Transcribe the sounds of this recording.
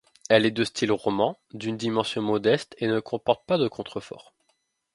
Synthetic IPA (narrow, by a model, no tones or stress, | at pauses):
ɛlɛd̪øst̪ʰilʁɔmɑ̃d̪ynd̪imɑ̃sjɔ̃mɔd̪ɛst̪enəkʰɔ̃pɔʁt̪̚pad̪əkʰɔ̃t̪χəfɔ̰ʁ